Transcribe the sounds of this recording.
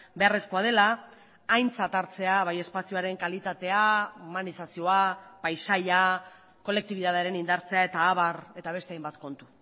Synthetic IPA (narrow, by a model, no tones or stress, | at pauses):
be̞are̞sko̞að̞e̞laː | jnt͡sat̪aɾt͡se̞aβ̞aje̞spasioaɾe̞ŋkalit̪at̪e̞aumanisasio̞apajsaʎa | ko̞le̞k̚t̪iβiðaðeaɾe̞nind̪aɾt͡se̞ae̞t̪aːβare̞t̪aβ̞e̞st̪eajmbat̪ko̞nt̪u̥